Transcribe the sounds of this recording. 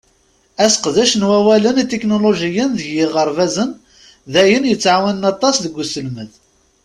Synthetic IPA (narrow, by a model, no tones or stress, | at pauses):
æsqðæʃənwæwælənit̪eknoloʒijənðəʝːɪʁəɾˤvæzən | ðæjənjət͡sːʕawənənɑt̪ˤːɑsðəɡʷːusəlməð